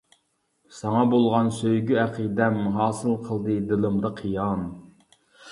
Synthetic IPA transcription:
sɑŋɑbolˠʁɑnsøjɡʲyæqid̪ɛmuɦɑːsɨlˠqʰəlˠd̪ɨd̪ɪlˠɨmd̪ɑqʰijɑn

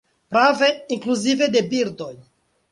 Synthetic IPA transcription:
pɾave̞iŋkluzivede̞biɾdo̞j

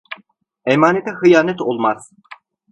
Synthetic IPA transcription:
emaːnet̪ʰɛhɯjaːnɛt̪olˠmaz̥

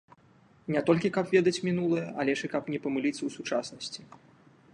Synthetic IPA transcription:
nʲɛt̪ɔlʲkʲikɐpvʲɛd̪ɐt͡sʲmʲinulˠɐjɛɐlʲɛʂɨkɐpnʲɛpɐmɨlʲit̪sːɐwsut͡ʂasnɐsʲt͡sʲi̥

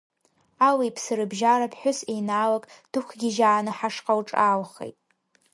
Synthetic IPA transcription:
awijpʰsɨɾɨbʒaɾapʰħʷʊsejnaːlakʼd̥ɨkʷʰɡʲɪʒaːnɨħaʂqʼawʈ͡ʂʼaːlχḛjtʼ

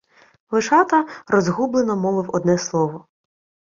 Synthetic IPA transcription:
lˠɪʃɑt̪ɐrɔzɦublˠenɔmɔʋɪwɔd̪̚nɛslˠɔʋɔ

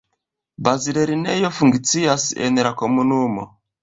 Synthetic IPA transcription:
baziɾɛɾinɛjɔfuŋɡit͡sijasiɛnɛɾakɔmunumɔ̰

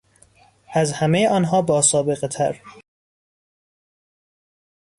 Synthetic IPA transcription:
ʔæzhæmejeʔɒːnɦɒːbɒːsɒːbe̞ɣet̪ʰæ̰ɾ

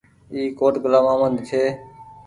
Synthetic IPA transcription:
iːkoːʈɡəlaːmãːmənd̪t͡ʃʰeː

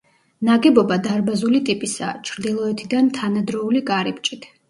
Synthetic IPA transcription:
naɡɛbɔbad̪aɾbazulit̪ʼipʼisa̰t͡ʃʰɾd̪ilˠɔɛt̪ʰid̪ant̪ʰanad̪ɾɔulikʼaɾip̚t͡ʃʼit̪ʰ

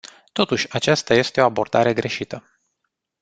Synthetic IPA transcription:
t̪o̞t̪uʃʲat͡ʃast̪aje̞st̪e̞o̞abo̞rd̪aɾe̞ɡɾe̞ʃit̪ə

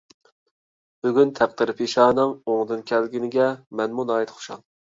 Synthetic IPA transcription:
b̥yɡʲynt̪ʰæq̚d̪ɨɾɨpʰiʃɑːnɑmoŋd̪ɨnkʲʰɛlɡʲinɪɡʲɛmɛnmunɑːjit̪χʰʊ̥ʃɑ̰ŋ

